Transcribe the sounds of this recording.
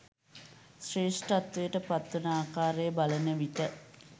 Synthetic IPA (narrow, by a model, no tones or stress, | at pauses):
sreːsʈat̪ʋujəʈəpat̪ːunaːkaːɾejəbalənəʋit̪ə